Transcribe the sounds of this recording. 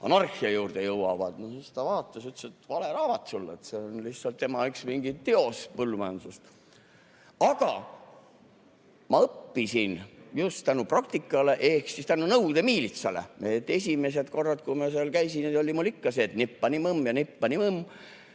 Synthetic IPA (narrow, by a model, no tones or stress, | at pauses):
ɑ̰nɑrxiɑjuːrd̪ejɤwɑ̰vɑ̰d̪nosst̪ɑvɑːt̪ːˑɑsyt̪set̪vɑleɾɑːvɑt̪ˑsulːet̪seonlihsɑlt̪ːemɑyksmiŋɡit̪t̪ːeo̞spɤlːumɑjɑnsust̪ | ɑɡ̥ɑ | mɑɤpːisinjust̪ænuprɑk̚t̪ikːˑɑle̞ʔe̞hksist̪ænunɤwd̪̥e̞miːlit̪sɑlḛmet̪ːe̞sʲime̞s̬e̞d̪ko̞rːɑt̪̚kuimɑseɑlkæjsined̪o̞lʲimulːikːɑseːt̪nipːɑniməmjɑnipːɑniməm